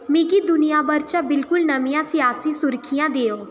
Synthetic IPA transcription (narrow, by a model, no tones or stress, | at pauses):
mĩkid̪ʊnɪjãːbəɾt͡ʃãbɪlkʊlnəmijãːsɪjaːsiːsʊɾkʰijãːd̪eːoː